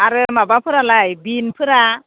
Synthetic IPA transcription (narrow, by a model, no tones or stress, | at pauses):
aɾəmabapʰuɾalajbinpʰɯɾa